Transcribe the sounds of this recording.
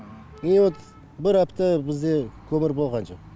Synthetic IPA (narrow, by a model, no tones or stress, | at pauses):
niwot̪ | bɪɾɑpt̪əbɪzd̪e̞kʲʰɵmɪɾbo̞lˠʁɑnʒoq